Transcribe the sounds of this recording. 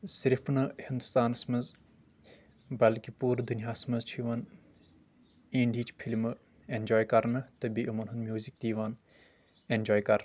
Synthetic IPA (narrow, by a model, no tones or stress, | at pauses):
siɾfʰnɨhind̪ust̪aːnɐsmɐz | bɐlkipuːɾd̪unijaːsmɐzt͡ʃʰiʋɐn | ĩːɳɖiːt͡ʃpʰilmɨ | end͡ʒoːjkɐɾnɐt̪ɐbiʔɐmɐnɦund̪mjuːzik̚d̪iːʋaːn | end͡ʒoːjkɐɾ